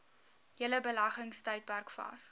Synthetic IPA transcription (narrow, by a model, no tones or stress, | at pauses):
jələbəlɐχəŋstœɥt̚bærkfɑ̰s